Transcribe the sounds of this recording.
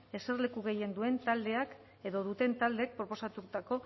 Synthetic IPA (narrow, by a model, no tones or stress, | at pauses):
e̞se̞rle̞kuɣe̞je̞nd̪ue̞nt̪ald̪e̞ak | e̞ðo̞ðut̪e̞nt̪ald̪eːk̚pɾo̞po̞sat̪ut̪ako̞